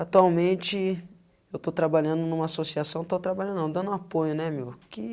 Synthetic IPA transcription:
at̪uawmẽt͡ʃɪ | ewt̪ot̪ɾabaʎɐ̃d̪ʊnũmɐasosiasɐ̃w̃t̪ot̪ɾabaʎɐ̃nd̪nɐ̃w̃d̪ɐ̃nd̪ʊ̃apojʊnɛmewkɪ

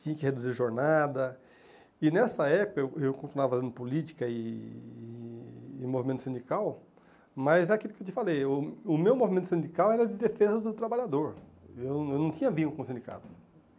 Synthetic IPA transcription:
t͡ʃ̪ĩɲɐkɪhed̪uziɾʒoɾnad̪ɐ | ɪnɛsɐɛpʊkɐewewkõt̪inuavɐfazẽnd̪ʊpʊlit͡ʃi̥kɐɪː | movimẽt̪ʊsẽd͡ʒ̪ikaw | mɐzɛakilʊkewt̪̬ɪfalejʊʊmewmovimẽnt̪ʊsẽnd͡ʒ̪ikawɛɾɐd̪ɪd̪efezɐd̪ʊt̪ɾabaʎad̪oɾ | ewewnɐ̃w̃t̪ĩɲɐvĩʊ̃kõsẽnd͡ʒ̪ika̰t̪ʊ̥

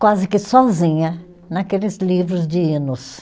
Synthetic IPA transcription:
kwazɪkɪsɔzĩɲɐ | nakelɪzlivɾʊzd͡ʒɪinʊs

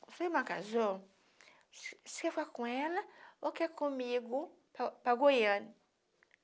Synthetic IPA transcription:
sojmãka̰zõ | si̥kɛfakõɛlɐokɛkõmiɡʊ | paɡojɐ̃nʊ

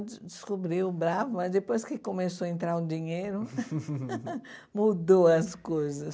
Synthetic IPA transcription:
d͡ʒ̪ɪskubɾiwʊbɾavʊmɐzd̪epojskɪkomesoɐẽnt̪ɾaɾʊd͡ʒiɲejɾʊ | mud̪oɐskojzɐs

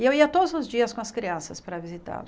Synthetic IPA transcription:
ɪewiɐt̪od̪ʊzʊzd͡ʒiɐskõɐskɾiɐ̃sɐspaɾɐvizit̪a̰l

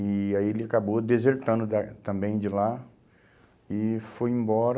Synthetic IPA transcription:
ɪaielɪakabod̪ezeɾt̪ɐ̃nd̪ʊd̪at̪ɐ̃mbẽj̃d͡ʒɪla | ɪfojẽmbɔɾ

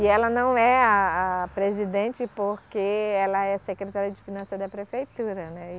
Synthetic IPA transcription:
ɪɛlɐnɐ̃w̃ɛaːpɾezid̪ẽt͡ʃɪpoɾkeɛlɐɛsekɾet̪aɾiɐd͡ʒɪfinɐ̃sɐd̪ɐpɾefejt̪uɾɐnɛ

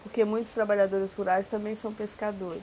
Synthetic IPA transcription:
poɾkemũj̃t̪ʊ̥st̪ɾabaʎad̪oɾɪzhuɾajst̪ɐ̃mbẽj̃sɐ̃w̃peskad̪oɾɪ

